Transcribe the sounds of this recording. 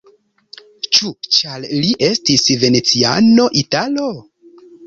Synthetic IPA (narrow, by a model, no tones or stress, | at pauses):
t͡ʃut͡ʃalliʔe̞stisve̞ne̞t͡sia̰no̞ʔitalo